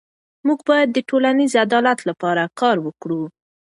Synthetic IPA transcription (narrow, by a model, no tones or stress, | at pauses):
muɡbɑjad̪ːəʈolanizad̪ɑlat̪lapɑɾakɑɾwəkɽu